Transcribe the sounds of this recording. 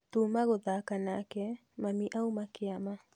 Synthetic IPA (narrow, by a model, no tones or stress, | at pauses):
t̪uːmaɣoðakanakɛ | mamiʔaumakeama